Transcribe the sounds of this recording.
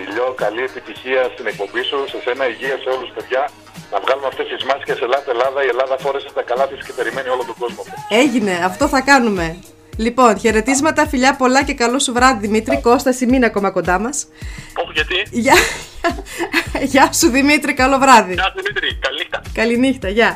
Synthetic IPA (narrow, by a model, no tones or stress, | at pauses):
iʎo̞kɐlie̞pit̪içiɐst̪ine̞k̚po̞mbisuse̞se̞nɐiʝiɐse̞o̞luspe̞ðʝɐ | nɐvɣɐlumeɐft̪est̪izmɐsi̥sceselɐst̪elɐðɐie̞lɐðɐfo̞ɾeset̪ɐkɐlɐfisi̥ce̞pe̞ɾime̞nio̞lot̪oɡo̞zmofoeʝine̞ɐft̪o̞θɐkɐnume̞ | lipo̞nçe̞ɾe̞t̪izmɐt̪ɐfiʎɐpo̞lɐce̞kɐlo̞suvɾɐðiðimit̪ɾiko̞st̪ɐsiminɐko̞mɐko̞nd̪ɐmɐs | oxʝɐt̪iʝɐ | ʝɐsuðimit̪ɾikɐlo̞vɾɐðiɐðimit̪ɾikɐlinixt̪ɐkɐlinixt̪ɐʝɐ